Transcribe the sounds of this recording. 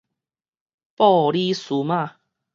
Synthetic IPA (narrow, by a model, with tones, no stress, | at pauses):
pɔ˥˧˨li˦su˨˦mã˥˧˨